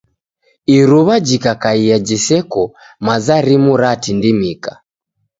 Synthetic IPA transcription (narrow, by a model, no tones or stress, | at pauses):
iɾuβad͡ʒikakaiad͡ʒisɛkɔ | mazaɾimuɾatindimika